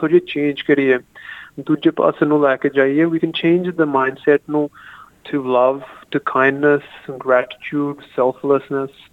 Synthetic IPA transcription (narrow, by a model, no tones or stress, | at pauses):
od͡ʒiet͡ʃẽːnd͡ʒkəɾiɛːd̪uːd͡ʒepə̰sə̃nũːlɛːked͡ʒaːiɛːʋiːkɛ̃nt͡ʃẽːnd͡ʒd̪əmãɪ̃nɖsɛʈnũːʈʰuləʋʈukʰãɪ̃nɖnəsɡɾæʈɪ̥t͡ʃʰjuːɖsɛlt̪ʰləsnəs